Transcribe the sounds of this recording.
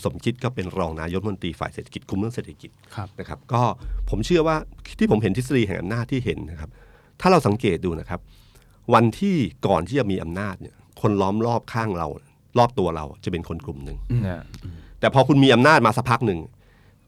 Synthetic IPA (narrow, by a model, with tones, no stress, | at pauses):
so˩˦mkʰi˦˥t̪̚kɔː˥˩pe˧nɾɔː˧ŋnaː˧jo˦˥˧o˧t̪ɾiː˧fa̰ː˨˩jseː˨˩t̪ʰḁ˧˩ki˨˩t̪̚kʰu˧mːɯ˥˩əŋseː˨˩t̪ʰːḁ˧ki˨˩t̪̚ʰna˦˥kʰa˦˥p̚kɔː˥˩pʰo˩˦mt͡ɕʰɯ˥˩ɐwaː˥˩t̪ʰiː˥˩pʰo˩˦mɦe˩˦nt̪ʰi˦˥t̪̬̚sa˧diː˧ɦɛ˨˩ŋʔa̰˧mnaː˥˩t̪ʰːiː˥˩ɦe˩˦nːa˦˥kʰa˦˥p̚ | t̪ʰaː˥˩ɾa˧wsa˩˦ŋkeː˨˩t̪̚duː˧na˦˥kʰa˦˥p̚ | wa˧nt̪ʰiː˥˩kɔː˨˩nt̪ʰiː˥˩t͡ɕa˨˩miː˧ʔa̰˧mnaː˥˩t̪̚nḭ˦˥˩ɐ | kʰo˧nlɔː˦˥mlɔː˥˩p̚kʰaː˥˩ŋɾa̰˧w | lɔː˥˩p̚t̪u˧ɐɾa̰˧wt͡ɕa˨˩pe˧nkʰo˧nkʰlu˨˩mnɯ˨˩ŋ | t̪ɛː˨˩pʰɔː˧kʰu˧nmiː˧ʔa˧mnaː˥˩t̪̚maː˧sa˦˥k̚pʰa˦˥k̚nɯ˨˩ŋ